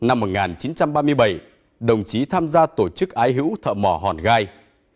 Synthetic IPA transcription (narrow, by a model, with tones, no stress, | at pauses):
na˧mːo˨˩t̚ŋaː˨˩nt͡ɕi˨˦nt͡ɕa˧mɓaː˧mɨ˧əjɓə˧˩j | ɗə˨˩wŋ͡mt͡ɕi˨˦t̪ʰaː˧mzaː˧t̪o˧˩t͡ɕɨ˦˥k̚ʔaː˨˦jɦɨ̰˧˥wt̪ʰə̰ː˧˨mɔ˧˩ɦɔ˨˩nɣaː˧j